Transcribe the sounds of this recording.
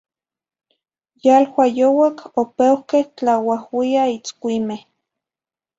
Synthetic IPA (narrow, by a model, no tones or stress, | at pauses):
jalwajowakʰopewkeht͡ɬawahwiait͡skʷimeh